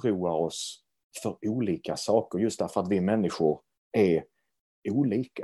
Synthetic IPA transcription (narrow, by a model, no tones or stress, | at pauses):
ɾuːaɾɔs | fœɾuːliːkasɑːkəɾjɵst̪̚d̪æɾfœɾat̪vɪmɛnːɪɧʊɾ | æ | uːliːk